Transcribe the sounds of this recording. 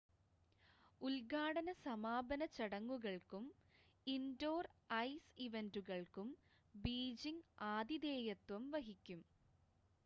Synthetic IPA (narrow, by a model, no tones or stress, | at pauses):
ulɡaːɽɐnɐsɐmaːbɐnɐt͡ɕɐɽɐŋːuɣɐɭkum | indoːrɐjsiʋenduɣɐɭkum | biːd͡ʑiŋaːd̪id̪eːjɐt̪wɐmʋɐɦikʲːum